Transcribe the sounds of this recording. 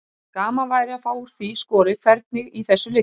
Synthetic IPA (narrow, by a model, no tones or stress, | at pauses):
kaːmavaːjɾɪafaːwɾ̥θiskɔːɾɪkʰvɛɾt̪̚nɪɣiθɛsːʏlɪ